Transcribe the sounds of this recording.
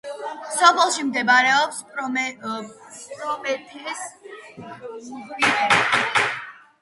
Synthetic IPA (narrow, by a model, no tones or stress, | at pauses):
sɔpʰɛlˠʃimd̪ɛbaɾɛɔps | pʼɾɔmɛt̪ʰis | iɛ